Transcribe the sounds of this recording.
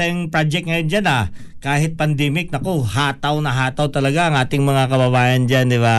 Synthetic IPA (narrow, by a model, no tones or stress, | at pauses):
ɛjŋpɾad͡ʒɛk̚ŋɐjond͡ʒanɐ | kaːhɪt̪̚pɐnd̪ɛːmɪk̚nɐkoɦaːt̪ɐwnɐɦaːt̪ɐwt̪ɐlɐɡaʔɐŋʔaːt̪ɪŋmɐŋakɐbɐbaːjɐnd͡ʒand̪ɪba